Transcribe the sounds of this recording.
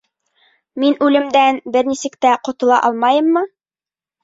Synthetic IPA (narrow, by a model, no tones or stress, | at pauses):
minʉlɘ̆md̪ænbɘɾnisɘ̆kt̪æqŏt̪ŏlˠɑ̰ʔɑlˠmɑjɤmːɤ